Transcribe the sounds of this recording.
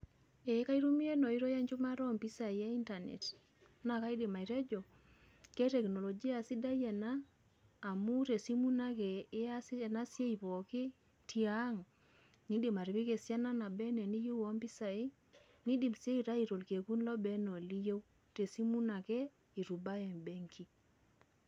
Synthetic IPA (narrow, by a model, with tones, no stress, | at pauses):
e˨˦ka˦i˦ɾu˦mi˦e˦nɔ˨i˦ɾo˦ja˦ɲt͡ʃu˦ma˦ɾɔ˦mpi˦sa˨i˦a˦i˦nta˨nḛ˨t | na˨ka˦i˦di˨ma˨i˨ɾɛ˦d͡ʒɔ˨ | kɛ˦tɛ˨kno˨lɔ˨d͡ʒi˦a˨si˦da˦je˨naː˦˨ | mu˦te˨si˦mu˦na˦kɛ˨ɪ˦a˦si˦˨na˦sje˦i˨pɔ˨ki˦ | ti˦a˦ŋ | ni˦di˨ma˨ɾi˨pi˦ke˨sja˦na˦na˨bɛ˦nɛ˨ni˦ju˦wo˦mpi˦sa˨i˦ | ni˦di˨mse˦i˨ɾa˦i˨ɾo˨lke˨ku˦nlɔ˦bɛ˦no˨li˦je˦w | te˨si˦mu˦na˨kɛ˦ | i˨ɾu˨ba˦je˨nbe˦ŋkʰi˦